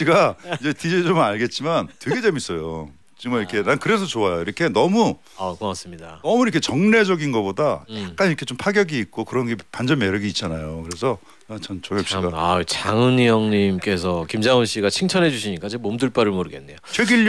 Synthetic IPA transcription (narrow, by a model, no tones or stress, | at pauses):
iɡaid͡ʑe̞tid͡ʑid͡ʑomnaɭɡe̞t̚t͡ɕ͈imantwe̞ɡe̞d͡ʑemis͈ʌjo | t͡ɕimʌiɾkʰe̞nankɯɾe̞s̬ʰʌt͡ɕoajoiɾʌkʰe̞nʌmu | akɯas͈ɯmɲidanʌmuikʰe̞t͡ɕʌŋne̞d͡ʑʌɡinɡʌbodajak̚k͈anɲiɾʌkʰe̞t͡ɕompʰaɡjʌɡiːk̚k͈okɯɾʌnɡe̞pand͡ʑʌnmeɾɯɡiːt̚t͡ɕ͈anajokɯɾe̞sʰʌ | nat͡ɕʌnt͡ɕʌŋjʌpɕ͈iɡaat͡ɕaŋɯnijʌŋɲimk͈e̞sʰʌkimd͡ʑaŋɯnɕ͈iɡat͡ɕʰiŋt͡ɕʰʌnɦe̞d͡ʑuɕʰiɲik͈at͡ɕemomdɯɭp͈aɾɯɭmoɾɯɡe̞nːejot͡ɕʰweɡiʎ